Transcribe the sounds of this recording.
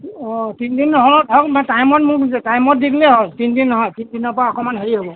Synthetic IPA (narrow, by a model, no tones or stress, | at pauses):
ɔ̃tindinːɔɦɔɔdʰʱɔkmatajmɔt̚mʊɹtajmɔt̚dikleɦɔltindinːɔɦɔjtindinɔpɔaɔkɔmanɦeɹiɦobɔ